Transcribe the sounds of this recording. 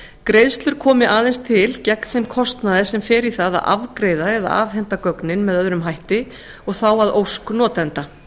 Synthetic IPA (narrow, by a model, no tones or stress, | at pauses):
kɾejðst̪lʏɾ̥kʰɔːmɪʔaːðɛnst̪ʰɪlcɛkn̥θejmkʰɔst̪naðɪsɛmfɪɾɪθaða̰ðʔa̰vkɾejðaɛða̰a̰vɦɛn̥t̪akœknɪnmɛðœðɾʏmɦajht̪ɪ | ɔɣθawaðowsknɔːt̪ɛnt̪a